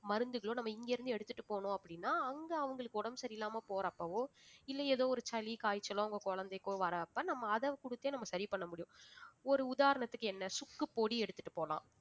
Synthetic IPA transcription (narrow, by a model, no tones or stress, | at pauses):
mɐɾɯnd̪ɯɣɐɭoːnɐmːɐɪŋɡeːɾɯnd̪ɯɛɽɯt̪ːɯʈːɯpoːɳʊ̃ːɐpːɐɽɪnːaːɐŋɡɐɐʋɐŋɡɐɭɯkːɯɔɽɐmsɐɾɪlːaːmɐpoːɾɐpːɐʋoːɪlːɐeːðoːɔɾɯt͡ʃɐlikaːjt͡ʃːɐlõːʊŋɡɐkɔɻɐnd̪ɐɪkːõːʋɐɾɐːpːɐnɐmːɐːðɐkʊɽɯt̪ːeːnɐmːɐsɐɾipɐɳːɐmʊɽɪjʊ̃ɔɾɯʊðaːɾɐɳɐt̪ːɯkːɯɛnːɐsʊkːɯpoːɽiɛɽɯt̪ːɯ̥ʈːɯ̥poːlã̰ː